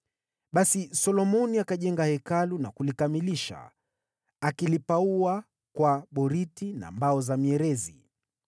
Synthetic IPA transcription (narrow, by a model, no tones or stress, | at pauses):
ɓasisɔlɔmɔniakaʄɛŋɡahɛkalunakulikamiliʃa̰ | akilipaua | kwaɓɔɾitina̰mbaɔzamiɛɾɛzi